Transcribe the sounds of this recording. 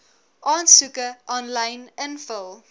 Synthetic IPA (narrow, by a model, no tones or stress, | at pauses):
ʔɑːnsʉkəʔɔnlɐjnənfəlˠ